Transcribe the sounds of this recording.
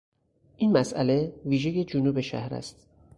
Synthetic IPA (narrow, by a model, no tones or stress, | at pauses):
ʔinmæsʔæ̰le̞viːʒeje̞d͡ʒunuːbe̞ʃæ̰hɾæ̰st̪